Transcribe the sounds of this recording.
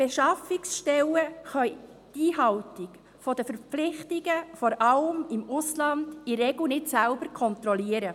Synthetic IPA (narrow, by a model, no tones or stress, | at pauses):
b̥eʃɑfɪksʃtɛləχœʏd̥iːɦɑltɪk | fɔdəfəɾflɪχtɪɡəfɔɾɑləmɪmʊslɑnd̥iɾɛɡl̩nɪtsælbəɾkʰɔnt̪ɾɔliəɾə